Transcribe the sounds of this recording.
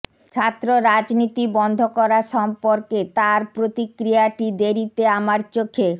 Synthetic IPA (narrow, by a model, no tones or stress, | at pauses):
t͡ɕʰat̪ːɾoɾad͡ʑnit̪ibɔnd̪ʱokɔɾaʃɔmpoɾket̪aɾpɾot̪ikɾijaʈid̪eɾit̪eamaɾt͡ɕokʰːe